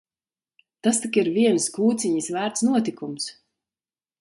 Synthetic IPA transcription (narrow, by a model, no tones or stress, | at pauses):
t̪ast̪ikiɾviɛnskuːt̪siɲisvæːɾt̪snuɔt̪ikums